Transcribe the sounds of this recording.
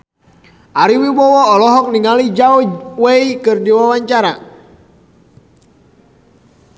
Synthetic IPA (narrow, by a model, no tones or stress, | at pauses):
ʔaɾiwiwɔwɔːlɔɦɔk̚niŋalid͡ʒaoweikɨrdiwawaɲt͡ʃaɾa